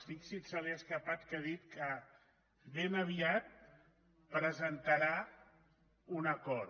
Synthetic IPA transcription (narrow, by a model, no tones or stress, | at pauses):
siksitsəleəskəpat̪keðit̪kə | βenəβ̞iat̪̚ | pɾəzənt̪əɾa | unəkɔɾ